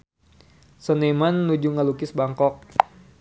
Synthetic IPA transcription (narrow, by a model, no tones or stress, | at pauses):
sənemanːud͡ʒuŋalukɪsbaŋkɔk̚